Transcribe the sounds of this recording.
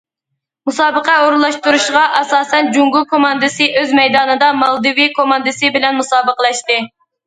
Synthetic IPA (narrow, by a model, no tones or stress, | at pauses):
musɑːbəqɛoɾulˠːɑʃt̪uɾuʃʁɑʔɑsɑːsɛnd͡ʒuŋɡulˠkʰomɑnd̪ɨsɨʔøzmɛjd̪ɑːnɨd̪ɑmɑlˠd̪ɨvikʰomɑnd̪ɨsɨbɪlɛnmusɑːbəqəlˠɛʃt̪ɨ